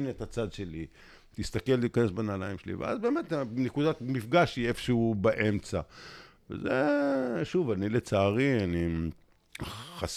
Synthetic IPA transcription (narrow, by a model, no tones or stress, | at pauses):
net̪at͡sad̪ʃe̞li | t̪ist̪akeltiːkanesbanalaimʃelḭvḛʔa̰zbeːmet̪nekud̪at̪mifɡaʃhiefʃeubaʔemt͡sa | vḛzeʃuvanilet͡saːʁiani | χas